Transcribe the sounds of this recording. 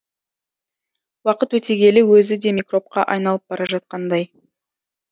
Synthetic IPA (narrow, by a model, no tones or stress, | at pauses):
wɑqət̪wɵt̪e̞ɡʲe̞lɪwɵzɪd̪e̞mʲikro̞p̚qɑʔɑjnɑlˠəp̚bɑɾɑʒɑt̪̚qɑnd̪ɑj